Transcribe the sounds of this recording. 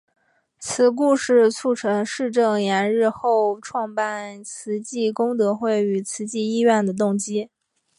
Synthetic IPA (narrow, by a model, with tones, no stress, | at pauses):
t͡s̩ʰ˧˥k̬u˥˧ʂɻ̩˥˧t͡sʰu˥˩ʈ͡ʂʰɤ˧˥ŋʂɻ̩˥˧ʈ͡ʂɤ˥˩ŋjɛ˧˥nɻɻ̩˥˧xo˥˧ʊʈ͡ʂʰwɑ˥˧ŋpa˥˩nt͡sʰɹ̩˧˥t͡ɕi˥˩kʊ˥ŋt̪ɤ˧˥xwe˥˩ɪy˨˩t͡sʰɹ̩˧˥t͡ɕi˥˧i˥ɥɛ˥˩nd̪ə˩t̪̬ʊ˥˩ŋt͡ɕi˥